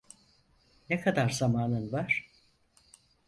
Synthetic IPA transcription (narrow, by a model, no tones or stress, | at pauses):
nekʰad̪aɾzamaːnɯnvaɾ̝̥